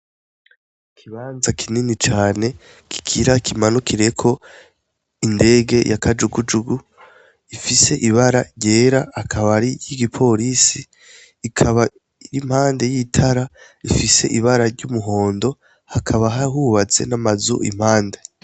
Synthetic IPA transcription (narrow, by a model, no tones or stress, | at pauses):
kʰiβaːnzakʰininit͡ʃaːne̞ | kʰi̥kʰiɾakʰimanukʰiɾe̞kʰo̞ | inde̞ːɡe̞jʔakʰad͡ʒuɡud͡ʒuɡu | ifise̞ʔiβaɾaɾɟe̞ːɾahakʰaβaɾijiɡipʰo̞ɾisiː | kʰaβa | iɾim̥haːnde̞jitʰaɾa | ifise̞ʔiβaɾaɾɟumuɦo̞ːndo̞ | hakʰaβaɦaɦuβat͡se̞̰namazṵʔḭm̥haːnde